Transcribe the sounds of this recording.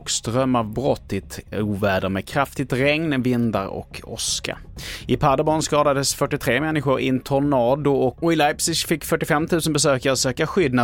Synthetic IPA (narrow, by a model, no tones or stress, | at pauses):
kst̪ɾœmːavbɾɔt̪ʰːɪt̪uːvæːɖəmeːkʰɾaft̪ɪt̪ɾɛŋnvɪnd̪a̰ɾɔ̰kʰɔ̰ska̰ɪpʰad̪abɔnskɑːd̪ad̪əsfœʈːɪt̪ʰɾeːmɛnːɪɧʊɾɪ̰nt̪ʰʊɳɑːd̪ʊɔɔɪlajpsɪʃfɪkːfœʈːɪfɛmːt̪ʰʉ̟ːsənbɛsøːkaɾsøːkaɧʏd̪na